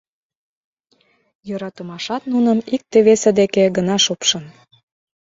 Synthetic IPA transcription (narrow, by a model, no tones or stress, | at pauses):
jøɾɑt̪əmɑʃɑt̪nunəmik̚t̪eβesed̪ekeɡənɑʃupʃən